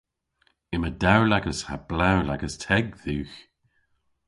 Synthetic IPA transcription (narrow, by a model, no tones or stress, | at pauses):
ɪmədawlaɡəsha̰b̥lawla̰ɡəstʰɛɡðuːx